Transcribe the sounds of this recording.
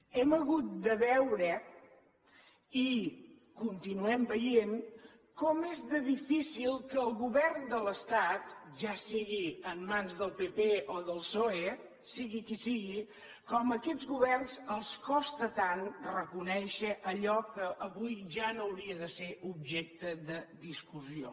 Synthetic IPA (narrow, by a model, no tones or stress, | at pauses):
ɛməɣut̪̚d̪əβɛwɾə | i | kunt̪inuɛmbəjen | kɔmezðəðifisilˠkəːlˠɣuβɛrnd̪ələst̪at̪ʒasiɣiəmːanzðəlˠpepeʔoðəlˠsoe | siɣikisiɣi | kɔməkɛdzɣuβɛrnzəlˠskɔst̪ət̪anrəkunɛʃəʔəʎɔkəʔəβujʒanowɾiəðəseub̚ʒɛk̚t̪əðəðiskuzio̰